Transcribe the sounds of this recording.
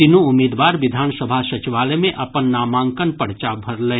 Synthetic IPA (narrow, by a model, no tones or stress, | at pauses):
t̪inũʊmiːd̪ʋaːɾʋɪd̪ʱaːnsəbʱasɐt͡ʃiʋaːlemẽʔɐpənːaːmãːŋkənpɐɽt͡ʃabʱɐɾlɛ